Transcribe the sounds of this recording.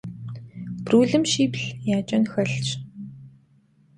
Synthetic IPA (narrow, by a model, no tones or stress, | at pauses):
pruːɮɘ̆mʃipɮjaːt͡ɕɔnxœɮt͡ɕ